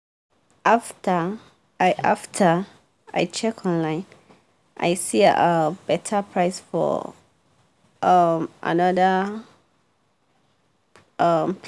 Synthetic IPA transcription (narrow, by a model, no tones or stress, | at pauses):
ʔaftʰə | aɪʔa̰ftʰə | a̰ɪt͡ʃʰɛkʰɔ̃nlãɪ̃n | ʔa̰ɪsiəb̥ɛtʰəpʰɹaɪsfɔ̰ | ʔʌmʔa̰nʌðə | ʌmp